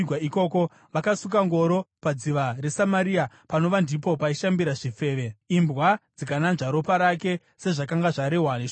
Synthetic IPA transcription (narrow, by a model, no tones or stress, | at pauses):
waiko̞ːko̞ | ʋakasukaŋɡo̞ɾo̞pad͡ziʋare̞samaɾia | pano̞ʋandipo̞paiʃambiɾaʐife̞ːʋe̞imbwad͡zikananʐaɾo̞paɾake̞ | se̞ʐakaŋɡaʐaɾeɦwane